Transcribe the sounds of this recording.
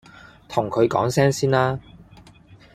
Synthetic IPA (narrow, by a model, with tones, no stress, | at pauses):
t̪ʰʊ˨˩ŋkʰɵ˨˧ɥkɔ̰ː˨˥ŋsɛː˥ŋsiː˥nlaː˥